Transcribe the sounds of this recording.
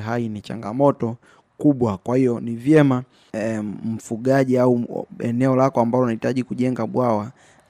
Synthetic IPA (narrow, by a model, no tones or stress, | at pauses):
ɦainit͡ʃa̰ŋɡamɔtɔ | kuɓwakwahiɔnivjɛma | m̩fuɠaʄiauɛ̰nɛɔlakɔambalɔnahitaʄikuʄɛŋɡaɓwawa